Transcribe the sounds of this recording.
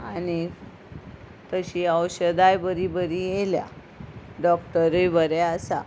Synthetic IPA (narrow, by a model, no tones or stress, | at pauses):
añi | t̪əɕiəwɕəd̪ajbəɾibəɾijelja̰ | ɖɔkʈəɾujbəɾeasa̰